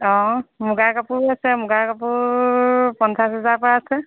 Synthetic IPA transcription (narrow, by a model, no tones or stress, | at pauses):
ɔ̃mʊɡakapʊɹasɛmʊɡakapʊɹ | pɔnsasɦɛzapɔɹaasɛ